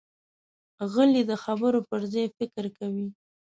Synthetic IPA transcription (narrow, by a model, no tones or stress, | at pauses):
ɣəlid̪əxabəɾopəɾzɑjfɪkəɾkawi